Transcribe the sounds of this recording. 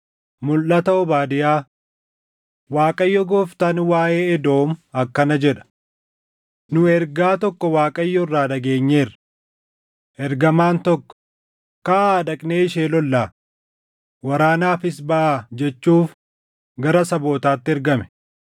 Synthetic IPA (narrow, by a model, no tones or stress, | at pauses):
mʊlːɐt̪ɐɔbaːd̪ɪjaː | waːkʼɐjːɔɡoːft̪ɐnwaːʔeːɛd̪o̞ːmɐkːɐnɐd͡ʒɛᶑɐ̥ | nʊɛɾɡaːt̪ɔkːɔwaːkʼɐjːɔrːaːᶑɐɡe̞ːɲːe̞ːɾɐ | ʔɛɾɡɐmaːnt̪ɔkːɔ̥ | kaaːd̪ɐkʼneːɪʃeːlɔlːaː | wɐɾaːnaːfɪsbɐʔaːd͡ʒɛt͡ʃːuːf | ɡɐɾɐsɐbo̞ːt̪aːt̪ːɪɛɾɡɐmɛ̥